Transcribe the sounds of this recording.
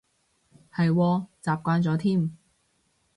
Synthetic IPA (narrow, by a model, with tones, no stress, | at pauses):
hɐ˨jwɔː˧t͡saː˨p̚kʷaː˧nt͡sɔː˨˥t̪ʰiː˥˩m